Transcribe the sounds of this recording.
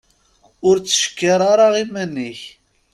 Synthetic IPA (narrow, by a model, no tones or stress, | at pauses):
ʊɾt͡sːə̥ʃkːaɾˤaɾˤɑʁimænːiç